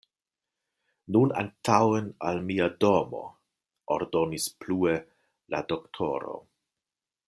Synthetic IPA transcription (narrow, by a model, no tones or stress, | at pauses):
nuna̰ntʰawenalmiado̞mo̞̰ | oɾdo̞nisplue̞ | la̰doktʰo̞̰ɾo̞̰